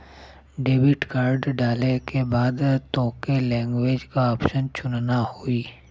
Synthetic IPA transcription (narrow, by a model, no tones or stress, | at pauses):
ɖeːbɪʈkaːɾɖɖaːlekebaːd̪t̪õːkelɛ̃ːŋɡʋeːd͡ʒkaɔːpʃənt͡ʃʊnnahoiː